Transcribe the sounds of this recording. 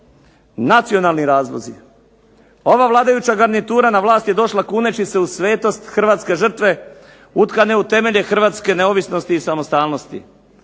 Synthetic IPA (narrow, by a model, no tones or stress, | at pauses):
nat̪sijo̞nalˠniɾaːzlˠo̰zḭ | o̞ʋaʋlˠaːd̪ajut͡ɕaɡaɾnit̪uːɾanaʋlˠaːst̪je̞d̪o̞ʃlakuːne̞t͡ɕise̞usʋe̞ːt̪o̞st̪xr̩ʋaːt̪ske̞ʒr̩t̪ʋe̞ | ut̪kane̞ut̪e̞me̞ʎe̞xr̩ʋaːt̪ske̞neoʋisno̞st̪iːsamost̪aːlno̞st̪ḭ